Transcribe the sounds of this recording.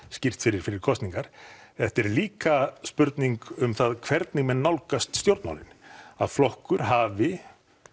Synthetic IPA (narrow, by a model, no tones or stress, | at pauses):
scɪr̥t̪fɪɾɪɾ̥fɪɾɪɾ̥kʰɔst̪niŋkaɾ̥θɛht̪ɛɾliːkaspʏɾt̪niŋkʏmθaðkʰvɛɾt̪nɪŋmɛnːawlkast̪st̪jowɾt̪nma̰nɪ̰na̰ðflɔhkʏɾ̥ɦaːvɪ